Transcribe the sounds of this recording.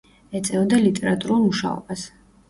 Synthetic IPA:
ɛt̪sʼɛvɔd̪alit̪ʼɛɾat̪ʼuɾulˠmuʃa̰ɔ̰bas

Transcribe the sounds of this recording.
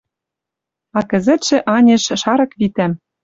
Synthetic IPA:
ɑkɘ̆zɘ̆t̪ʃɘ̆ʔɑnʲĕʃʃɑɾɤ̆kβit̪æm

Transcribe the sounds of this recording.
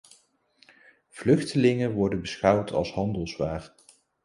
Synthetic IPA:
v̥lɵχtəlɪŋəʋɔɹdənbəsχʌwtʰɑ̰lˠsɦɑndəlˠzʋaːr

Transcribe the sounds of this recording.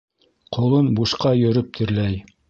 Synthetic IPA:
qʰŏlˠonbuʃqɑjɵ̆ɾɵp̚t̪ʰɘ̆ɾlæj

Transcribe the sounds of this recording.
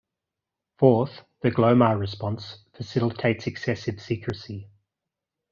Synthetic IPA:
fɔˑθðəɡləʊməɹɪspɒ̃nsfəsɪlɪtʰeɪtsɛksɛsɪv̥siˑkʰɹəsi

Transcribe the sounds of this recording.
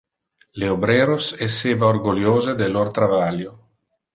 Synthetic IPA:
leobɾeːɾosesːeːvaorɡoljoːzed̪elort̪ɾavaljo

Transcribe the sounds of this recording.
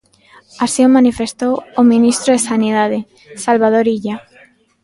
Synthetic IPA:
asiomanifest̪owomĩnist̪ɾoðesaniðað̞e | salβað̞oɾiʎa

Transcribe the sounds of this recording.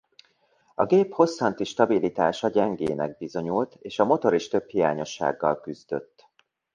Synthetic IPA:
ɒɡeːpho̞sːɒnt̪iʃt̪ɒbilit̪aːʃɒɟɛŋɡeːnɛɡ̚bizo̞ɲult̪eːʃɒmo̞t̪o̞ɾiʃt̪ø̞phijaːɲo̞ʃːa̰ːɡːɒ̰lkyzd̪ø̞̰t̪ː

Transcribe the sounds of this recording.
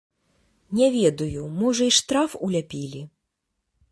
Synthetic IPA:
nʲɛvʲɛd̪ujumɔʐɐiʂt̪ɾafulʲapʲilʲi

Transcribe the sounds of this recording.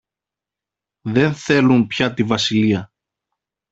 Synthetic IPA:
ðe̞nθe̞lumpçɐt̪ivɐsiliɐ

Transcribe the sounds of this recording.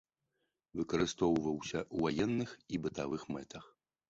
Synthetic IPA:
vɨkɐɾɨst̪ɔwvɐwsʲɐwvajɛnːɨxibɨt̪avɨxmɛt̪ɐx

